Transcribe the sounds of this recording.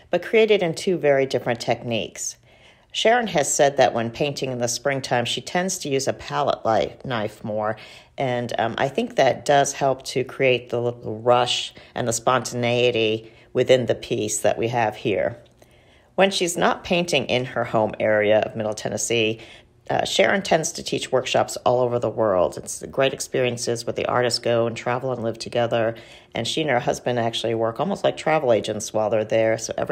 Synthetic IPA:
b̥ʌt̚kʰɹ̥ieɪɾɨɾɨ̃ntʰʉvɛɹidɪfɹɨ̃ntʰɛk̚nḭks | ʃɛɹɨ̃nɨz̥sɛd̪̚ðɨ̰ʔwə̃npʰẽɪ̃ntʰɪ̃ŋɨ̃nðəspɹɪ̃ŋtʰãɪ̃mʃitʰɛ̃ndz̥tʰɨjʉzɨpʰælˠə̰ʔˡla̰ɪnaɪfmɔɹʔɨ̃nʔa̰ɪθɪ̃ŋk̚ðɨt̚d̥ʌz̥hɛlˠp̚tʰɨkʰɹ̥ieɪt̪̚ðəɹʌʃʔɨ̰̃nðəspɑ̃ntʰɨneɪɨɾi | wɨθɪ̃nðɨpʰisðɨ̰ʔwiɨv̥hḭɹ | wə̃nʃiznə̰t̚pʰẽɪ̃ntɪ̃ŋʔɪ̃nə˞hõʊ̃mɛɹiɨʌ̰vmɪɾl̩ˠtʰɛ̰nɨsi | ʃɛ̰ɹɨ̃ntʰɛ̃ndz̥tʰɨtʰit͡ʃwɜ˞kʃɑ̰psɔ̰lˠoʊvə˞ðəwɜ˞lˠdɨtsɡ̥ɹeɪɾɨkspɪɹiɨ̃nsɨzwəðḭʔɑ̰ɹɾɨstɡ̥oʊə̃ntʰɹ̥ævl̩ˠə̃nlɪv̥tʰɨɡɛðə˞ | ʔɨ̰̃nʃiɨ̃nə˞ɦʌzbɨ̃ndæk̚t͡ʃʉl̩ˠiwɜ˞kɔlˠmoʊstˡlaɪk̚tʰɹ̥ævl̩ˠeɪd͡ʒɨ̃ntswɑɪlˠðə˞ðə˞soʊʔɛ̰v

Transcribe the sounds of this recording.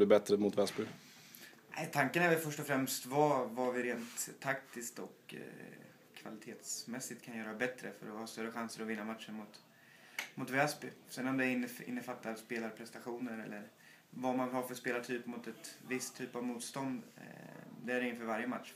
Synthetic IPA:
ɖ̪ɵbɛt̪ɾəmʊt̪vɛsbɪ | æ̰ɪt̪ʰaŋkənæːɾvɛlfœʂʈɔfɾɛmst̪vavavɪɾeːnt̪ʰːakt̪ɪskt̪ɔk | va̰lɪt̪ʰeːt̪smɛsːɪt̪kʰanjœːɾabɛt̪ɾə̰fœ̰ɾɔhɑst̪œɾəɧansəɾɔvɪnːamat̪ʂəɳmʊt̪ | mʊt̪vɛːsbʏsɛnːɔmd̪ɛɾɪnːɪ̰nːəfat̪ːaɾspeːlaɾpʰɾɛst̪aɧuːnəɾɛ̰lːəɾ | vamanhaɾfœspeːlaʈʰyːpmʊt̪ɛt̪vɪst̪ʰːyːpavmuːt̪st̪ɔnd̪ | d̪ɛæɾɪnfœːɾvaɾjəmat̪ʂ

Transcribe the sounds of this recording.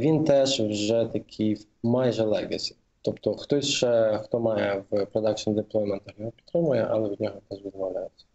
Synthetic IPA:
ʋʲint̪ɛʂwʐɛt̪ɐkʲʰij | majɛʒɛlˠɛɡɐsʲi̥ | t̪ɔpt̪ɔxt̪ɔsʲʃt͡ʃɛxt̪ɔmɑjɛwpɾɔd̪ɑk̚t͡ʃnʲd̪ɪplˠɔmɐnt̪ɐxjɔɦɔpʲi̥t̪ːɾɪmʊjɛʔɐlˠɛʋʲid̪̚ʲnʲɔɦɔt̪ɛʐʋʲid̪ʋɐwlʲajɛt̪sʲːɐ

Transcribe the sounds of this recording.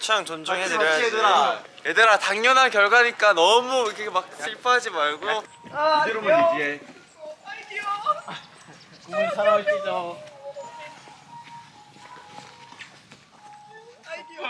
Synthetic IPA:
t͡ɕʰaŋt͡ɕʌnd͡ʑoŋɦedeɾɦaɾajedeɾataŋɲʌnɦankjʌɭɡwaɲik͈anʌmukʰemak̚ɕʰiɭpʰaɦad͡ʑimaɭɡo | ɾe | kosʰaɾtid͡ʑa

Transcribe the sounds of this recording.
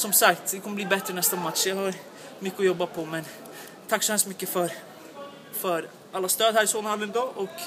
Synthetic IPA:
sɔmsakt̪dɛkʰɔmːəbliːbɛt̪ːɾənɛst̪amat̪ʂjahɑɾ | mʏkːəɔjɔbːapʰɔmɛn | t̪ʰakːsɔhɛlst̪mʏkːəfœɾ | fœɾ | alːast̪øːd̪hæːɾɪsoːnaɾhadvɪɛnb̪ɾɑːʔɔk

